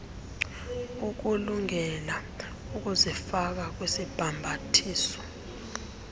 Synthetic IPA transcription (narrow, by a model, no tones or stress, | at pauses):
uk̬uluŋɛla | uk̬uzifak̬ak̬wesib̥ʱambʱatʰiːsɔ̥